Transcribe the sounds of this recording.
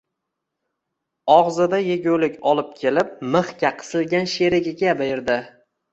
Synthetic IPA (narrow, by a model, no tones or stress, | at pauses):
ɒʁzɪd̪ajeɡʲolɪkʲɒlˠɪp̚kʲʰe̞lɪp̚mɨχkʲaqʰɨ̥sɪlˠɡʲanʃeɾɪɡʲɪɡʲabajɪɾd̪ɪ